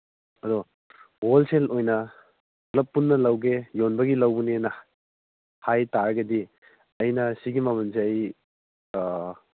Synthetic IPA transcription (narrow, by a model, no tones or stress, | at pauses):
ɐdɔ | olselojnɐ | klɐpːunːɐlɐwɡejonbɐɡilɐwbunenɐ | hajtaɾɐɡɐdi | ɐjnɐsiɡimɐmɐns̬eɐj